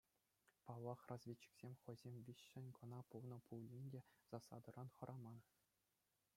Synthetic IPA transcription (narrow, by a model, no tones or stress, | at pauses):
pɑlːɑχrɑzvʲet͡ɕːi̥ksʲemʲχɤ̆zʲemʲʋʲiɕːɘ̆nʲkɤ̆nɑpulˠnɤ̆pulʲːinʲdʲez̥ɑsɑ̰d̪ɤ̆ɾɑnχɤ̆ɾʔɑmɑn